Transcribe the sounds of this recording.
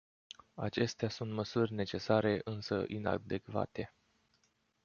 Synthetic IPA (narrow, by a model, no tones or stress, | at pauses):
a̰t͡ʃe̞st̪easunt̪məsurʲne̞t͡ʃe̞saɾe̞ʔɨnsəʔina̰d̪e̞kva̰t̪e̞